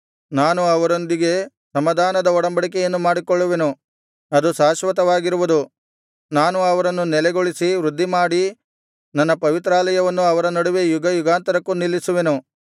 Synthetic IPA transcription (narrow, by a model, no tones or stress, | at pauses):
naːnuɐʋɐɾo̞nd̪iɡe̞ | sɐmɐd̪ʱaːnɐd̪ɐɔɽɐmbɐɽik̬ɛjɐnːumaːɽikɔɭːuʋe̞nu | ɐd̪usaːʃʋɐt̪ɐʋaːɡiɾuʋud̪u | naːnuɐʋɐɾɐnːunɛlɛɡoɭisiʋɾud̪ʱːimaːɽi | nɐnːɐpɐʋit̪ɾaːlɐjɐʋɐnːuɐʋɐɾɐnɐɽuʋe̞juɡɐjuɡaːnt̪ɐɾɐkːunilːisuʋe̞nu